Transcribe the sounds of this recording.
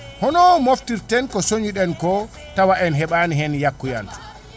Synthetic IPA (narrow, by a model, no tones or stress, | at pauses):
hɔnɔmoftiɾtɛnkɔsoɲiɗɛnkɔ | tawaʔɛnɦɛɓaniɦɛnjakːuja̰n